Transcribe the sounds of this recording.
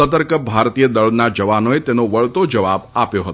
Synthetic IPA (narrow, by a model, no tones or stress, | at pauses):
ət̪əɾkəbʱaɾt̪ijəd̪əɭnad͡ʒəʋanoet̪enoʋəɭt̪od͡ʒəʋabapjoɦət̪o